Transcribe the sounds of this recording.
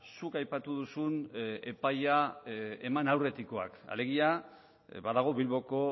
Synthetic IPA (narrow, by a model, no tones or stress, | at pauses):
sukajpat̪uðusune̞pajae̞manawre̞t̪iko̞a̰ka̰le̞ɣ̞ia | baðaɣ̞o̞βilβo̞ko̞